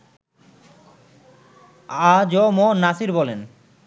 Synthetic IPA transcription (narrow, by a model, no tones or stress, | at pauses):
ad͡ʑomonasiɾbɔlen